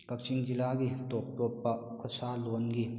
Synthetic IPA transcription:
kɐk̚t͡ʃiŋd͡ʒilaɡitɔpɾɔpːɐ | kʰɔsalonɡi

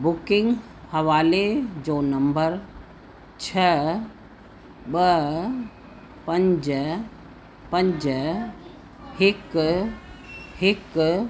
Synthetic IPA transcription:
bʊkɪ̃ŋɡ | hɐʋaːled͡ʒoːnɐmbəɾ | t͡ʃʰə | ɓə | pə̃ɲd͡ʒ | pə̃ɲd͡ʒ | hɪk | hɪk

